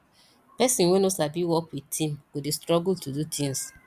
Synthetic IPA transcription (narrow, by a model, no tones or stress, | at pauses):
pɛsĩnwɛ̃nosabiwɔkwitʰĩmɡ̥odestɾɔɡultudutʰĩns